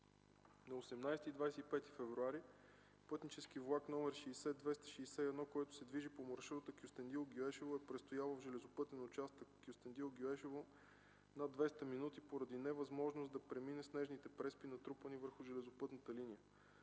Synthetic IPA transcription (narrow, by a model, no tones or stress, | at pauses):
nɐosɛmnajsɛt̪id̪vajsɛipɛt̪i̥fɛvɾuaɾi | pɤt̪nit͡ʃɛskivlˠakn̪ɔmɛɾʃɛːsɛd̪vɛst̪ə̥ʃiːsɛɛd̪nɔkoɛt̪ʊ̥sɛd̪viʒipomoɾʃuɾot̪əkjust̪ɛnd̪ilˠɡʲoɛʃɛvoɛpɾɛt̪st̪ojalˠəvʒɛlɛzopɤt̪ɛnot͡ʃast̪əkkːʲjʊst̪ɛnd̪ilˠɡʲjoɛʃɛvo | nad̪vɛst̪əminut̪ipoɾɐd̪inɛvɐzmɔʒnʊsd̪ɐpɾɛminɛsnɛʒnit̪ɛpɾɛspinɐt̪ɾupənivəɾxʊʒɛlɛzʊpɤt̪nət̪əlinijə